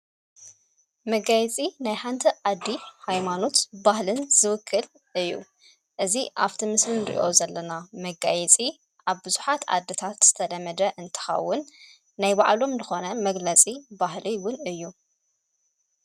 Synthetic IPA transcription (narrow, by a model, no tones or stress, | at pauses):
mɐɡajɛt͡sʼinajħant̪ʰɐʔad̪ːihajmano̞t̪bahlɨnzɨwɨkʰːɨl | ʔɨjːṵ | ʔɨziʔa̰ft̪ʰimɨsmɨnɾḭʔo̞zɐlːɐnamɐɡa̰jɛt͡sʼi | ʔaβbɨzuħat̪ʰa̰d̪ːit̪ʰat̪z̥ɨt̪ʰɐd̪ɐmɐd̪ɐʔɨnt̪ʰɨ̥xɐ̰wːʊnː | ajbaʕlo̞mzɨxo̞nɐmɐɡlɐt͡sʼibaɦliwʊnɨjːu